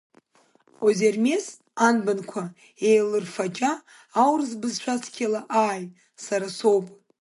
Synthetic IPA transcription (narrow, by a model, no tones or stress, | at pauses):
ozermes | anbɨnkʷʰa | ejlɨrfat͡ʃʼaː | wrzbɨzʃʷᶣaskʲʰalaʔaːj | saɾaso̞wpʼ